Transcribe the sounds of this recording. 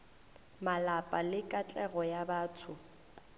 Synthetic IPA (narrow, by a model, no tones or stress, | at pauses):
malapʼalɪkʼat͡ɬʼɛɣɔjabaːtʰʊ